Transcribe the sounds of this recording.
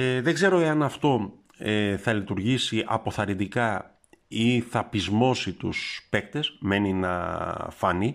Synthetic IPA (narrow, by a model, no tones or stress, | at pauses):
eðe̞ɡze̞ɾo̞e̞ɐnɐft̪o̞ | eθɐlit̪uɾʝisiʔɐ̰po̞θɐɾind̪ikɐ | iθɐpizmo̞sit̪ṵspe̞kt̪e̞sme̞ninɐ̰fɐni